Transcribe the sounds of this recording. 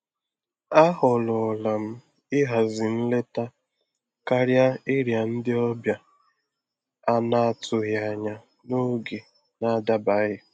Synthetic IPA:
a˦ɦɔ˨lɔ˨la˨m̩˦ | ɪ˦ɦa˨zɪ˨n̩˦le˦ta˦ | ka˦ɾja˦ɪ˦ɾja˨n̩˦dɪ˦ɔ˦bja˨ | a˦na˦˨tʰʊ˨ɦja˨ɲa˨ | no˦ɡe˨ | na˦da˦ba˦ɣɪ˦

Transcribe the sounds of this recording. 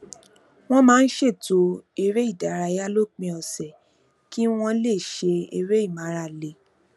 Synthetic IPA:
w̃ɔ̃˦mãː˦n̩˦ʃe˦˨to˨˦e˧ɾe˦i˦˨da˨˦˨ɾa˧ja˦lo˦˨k͡pĩ˧ɔ˨sɛ˨ | ki˦w̃ɔ̃˧le˦˨ʃe˧e˧ɾe˦i˦˨mã˨˦ɾa˨le˨

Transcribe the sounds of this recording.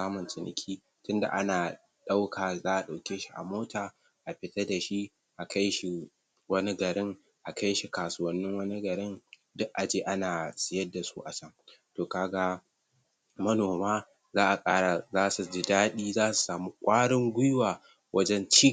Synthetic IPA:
saː˦mʊ˨ntɪ˨nɪ̰˨kʲʰiː˦ | tʊ˦nda̰˨ʔa˦naː˨ | ɗa˦wkʰaː˨zaː˦ʔa˨ɗa˨wkʲeː˦ʃi˦ʔa̰˨moː˦taː˨ | ʔa˨ɸɪ˦tɐ˦da˨ʃi˦ | ʔa˨kʰa˦jʃi˨ | wɐ˦ni˦ɡɐ˨ɽɪ˦ŋ | ʔa˨ka˦jʃi˨kaː˨sʊ˦wɐ˦nːɪ˦ŋwɐ˦ni˦ɡɐ˨ɾɪ˦n | dʊ˦ʔʔa˨d͡ʒeː˦ʔa˦naː˨sʼɪ˨˦jɐ˦dːa˨sṵ˦ʔa˨sɐ˦ŋtoː˨kaː˨ɡa˦ | mɐ˦noː˨maː˦ | zaː˦ʔa˨kʼaː˦ɽa˨zaː˦su˨d͡ʒɪ˨daː˦ɗiː˦zaː˦su̥˨saː˨muː˦kʷʼaː˦ɽɪ˦ŋɡʷʊ˦jwaː˨ | wʔɐ˦d͡ʒɛ˦nt͡ʃi˦

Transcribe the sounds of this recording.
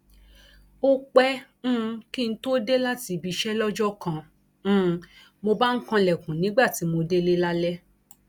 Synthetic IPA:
o˦k͡pɛ̃˦˧ | ki˦˧n̩˦to˦de˦la˦ti˧bi˧ʃɛ˦lɔ˦d͡ʒɔ˦kã˧˦ | mo˧ba˦ŋ̩˦kã˧lɛ˨kũ˨nĩ˨˦ɡ͡ba˦˨ti˨˦mo˧de˦le˦la˦lɛ˦

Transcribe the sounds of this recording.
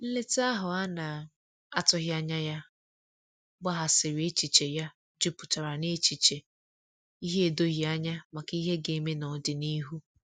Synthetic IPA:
n̩˦le˦ta˦ɦʊ˨a˦na˨ | a˦tʊ˦ɦja˦ɲa˦ja˦ | ɡ͡ba˦ɦa˨sɪ˨ɾe˦t͡ʃi˨t͡ʃe˨ja˦ | d͡ʒʊ˦pʊ˨ta˨ɾa˨ne˦t͡ʃi˨t͡ʃe˨ | i˦ɦe˦e˨do˦ɣi˦a˦ɲa˦ma˨ki˦ɦe˦ɡe˨˦me˦nɔ˨dɪ˨ni˦ɦu˦

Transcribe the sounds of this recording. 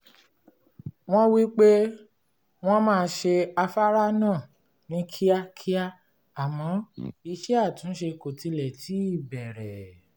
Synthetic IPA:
w̃ɔ̃˦wi˦k͡pe˦ | w̃ɔ̃˦mãː˦˧˦ʃe˧a˧fa˦ɾa˦nã˦˨ | nĩ˨˦kʰi˦a˦kʰi˦a˦ | a˨mɔ̃˨˦i˧ʃɛ˦a˦˨tũ˨˦n̩˦ʃe˧ko˨ti˧lɛ˨ti˨˦i˦˨bɛ˨ɾɛ˨

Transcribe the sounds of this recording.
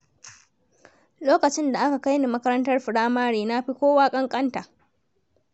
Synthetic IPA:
loː˦kɐ˨t͡ʃɪ˦nda˨ʔa˦ka˨ka˦jni˨mɐ˦kɐ˦ɾɐ˦ntɐ˦rɸɪ˨ɽaː˦maː˦ɽeː˨na˦ɸi˦kʷoː˦waː˦kʼɐ˦ŋkʼɐ˦nta˨ʔ

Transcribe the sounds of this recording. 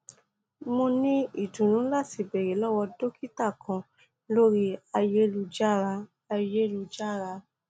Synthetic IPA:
mo˧nĩ˦i˦˨dũ˨nũ˨˦la˦˨ti˨bɛ˨ɾe˨˦lɔ˦wɔ˧do˦ki˦ta˦˨kã˧ | lo˦ɾi˦a˧je˦lu˧d͡ʒa˦˨ɾa˧ | a˧je˦lu˧d͡ʒa˦˨ɾa˧

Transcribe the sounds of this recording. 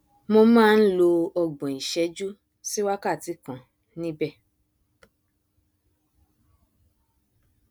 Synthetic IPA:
mo˧mãː˦˧n̩˦lo˧ɔ˧ɡ͡bɔ̃˨i˨ʃɛ˨˦d͡ʒu˦ | si˦wa˦ka˦˨ti˨˦kã˨ | nĩ˦bɛ˦˨

